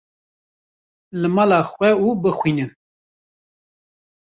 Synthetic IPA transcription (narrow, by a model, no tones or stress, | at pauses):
lɨmɑlɑːxwʷɛubɨxwiːnɨ